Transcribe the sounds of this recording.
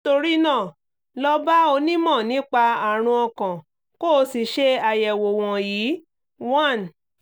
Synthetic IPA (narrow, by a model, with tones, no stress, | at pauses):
to˧ɾi˦nãː˦˨ | lɔ˧ba˦o˧nĩ˦mɔ̃˦˨nĩ˨˦k͡pa˧a˨ɾ̃ũ˧ɔ˧kã˨ | ko˦˧si˨ʃe˦a˧jɛ˨wo˨w̃ɔ̃˨jiː˨˦ | wã˦˨n